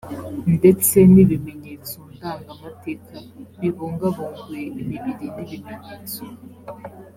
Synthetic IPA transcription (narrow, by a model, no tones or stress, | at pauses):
ndet͡se̞niβimeɲet͡sondaːŋɡamatekaβiβoŋɡaβoːŋɡujeʔimiβiɾiniβimeɲeːt͡so